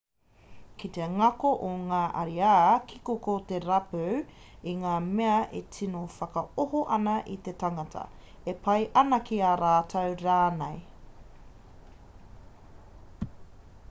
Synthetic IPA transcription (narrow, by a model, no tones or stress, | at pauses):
kit̪eɐŋɐkoʔoŋaːʔɐɾiaːkʰikokot̪eɾɐpøwiŋaːmeɐʔetʰinofɐkɐoɦoʔɐnɐʔit̪etaŋɐtʰɐ̰ | epʰɐjʔɐnɐkiaɾaːtʰɐwɾaːnej